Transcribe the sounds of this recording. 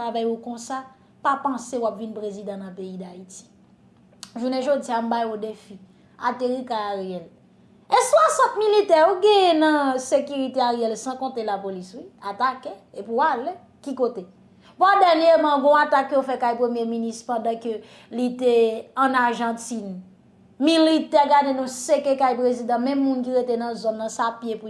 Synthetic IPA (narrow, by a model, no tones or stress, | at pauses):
avajukɔ̃sa | papãsewapvinpʁezid̪ãnɐ̃peidaiti̥ | ʒunɛʒod͡ziam̩bajodefi | a̰teʁikajaʁeɛl | eswasɐ̃t̚militɛoɡɛ̃jɛnɐ̃sekyʁiteaʁejɛlsãkɔ̃telapoliswiatakeepuale | kikote | pɔdɛʁnjemãɡɔ̃atakːøjofɛkajpʁemjeminist̪pãdãkø | liteɐ̃naʁʒɑ̃tin | militɛɡadenũsekekajpʁezid̪ãmɛ̃mːũnk̬iʁetenɐ̃zɔnːɐ̃sapjepu